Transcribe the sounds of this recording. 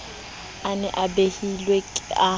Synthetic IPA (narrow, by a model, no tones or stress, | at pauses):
anɛʔabehilwekʼɪa